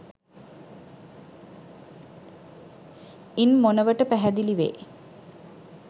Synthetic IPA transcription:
inmonəʋəʈəpæɦæd̪iliʋḛː

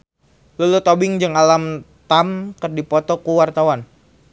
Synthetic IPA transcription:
lulut̪obɪŋd͡ʒɨŋalamt̪amkərdipɔt̪ɔkuwart̪awan

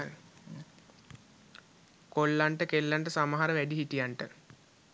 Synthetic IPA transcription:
kolːaɳʈəkelːaɳʈəsamɐɦaɾəʋæɖiɦiʈijaɳʈə

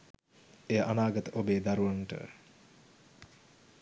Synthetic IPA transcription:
ejəʔanaːɡɐt̪əʔobeːd̪aɾuʋanʈə̰

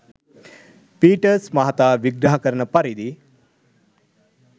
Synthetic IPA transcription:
piːʈəɾsmɐɦɐt̪aːʋiɡɾɐɦakəɾənəpaɾid̪i

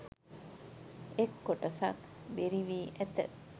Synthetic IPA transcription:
ekːoʈɐsa̰kbeɾiʋiːʔæt̪ə̰

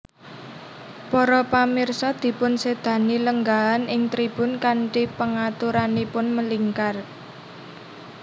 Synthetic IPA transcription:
pɔɾɔpamɪrsɔd̪̥i̤pʊnsed̪̥ä̤niləŋɡaanɪŋt̪ɾib̥ʊ̤nkaɳʈipəŋat̪uɾanipʊnməliŋkar

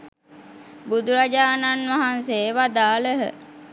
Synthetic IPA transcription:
bud̪uɾad͡ʒaːnanʋaɦanseʋad̪aːləɦə̰

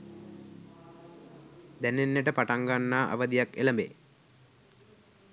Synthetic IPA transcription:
d̪ɛnenːeʈəpaʈaŋɡanːaːʔa̰ʋəd̪ijakḛləmbḛ

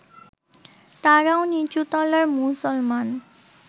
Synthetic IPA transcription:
t̪aɾaonit͡ɕut̪ɔlaɾmusɔlman

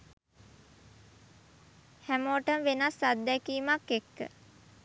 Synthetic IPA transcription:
hæmoːʈəmʋenasad̪ːɛkiːmakːekːə̰

